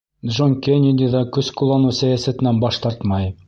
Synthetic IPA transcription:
dʒoŋkʲenʲed̪ʲid̪ɑkɵzkulˠɑnusæjæsæt̪ɘ̆nænbɑʃt̪ɑɾt̪mɑj

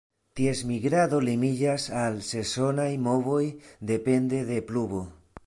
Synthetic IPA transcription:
t̪ie̞smiɡɾaðo̞limid͡ʒasalse̞so̞najmo̞vo̞jd̪e̞pe̞nd̪e̞ðe̞pluβo

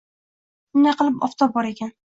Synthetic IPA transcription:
ʊnd̪ajqɨlˠɪpɒ̰ft̪ʰɒbɒɾekʲʰan

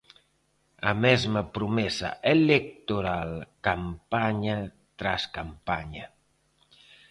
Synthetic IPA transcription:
a̰mɛzməpɾumɛsa̰ʔelek̚t̪uɾalkampaɲa | t̪ɾaskampaɲa

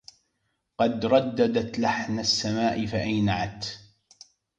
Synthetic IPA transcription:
qɑd̪ɾˤɑd̪ːad̪at̪laħnasːamaːʔɪfaʔajnaʕat̪

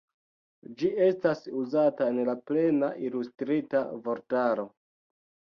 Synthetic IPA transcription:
d͡ʒie̞stasuzataenlaple̞naʔilustɾitavo̞ɾtaɾo̞

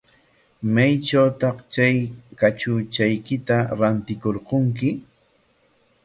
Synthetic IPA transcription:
majt͡ʃawt̪ɑχt͡ʃajkat͡ʃʊt͡ʃajkɪt̪aɾant̪ɪkoɾqʊŋkɪ

